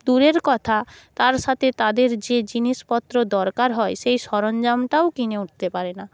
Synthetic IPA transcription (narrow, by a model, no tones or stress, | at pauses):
d̪uɾeɾkɔt̪ʰat̪aɾʃat̪ʰet̪ad̪eɾd͡ʑed͡ʑinispɔt̪ːɾod̪ɔɾkaɾɦɔesejʃɔɾɔnd͡ʒamʈaokineuʈ̚ʰt̪epaɾena